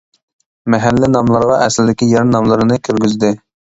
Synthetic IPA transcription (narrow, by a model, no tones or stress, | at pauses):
mɛɦælːɪnɑmlˠɑɾʁɑʔɛsɪlɪd̪ɪkʲijɛɾnɑmlˠɨɾɨnɨkʲʰøɾɡʲyzd̪ɪ